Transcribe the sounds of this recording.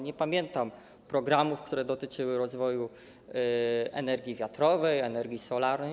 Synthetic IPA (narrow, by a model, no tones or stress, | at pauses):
ɲɛpamʲjɛnt̪am | pɾɔɡɾamufkt̪uɾɛd̪ɔt̪ɘt͡ʂɘwɘɾɔzvɔju | ɛ̰nɛɾɡʲivʲjat̪ɾɔvɛjɛnɛɾɡʲisɔlaɾnɛ